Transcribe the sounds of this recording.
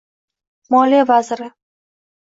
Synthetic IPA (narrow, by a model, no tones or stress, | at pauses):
mɒlijavazɾɪ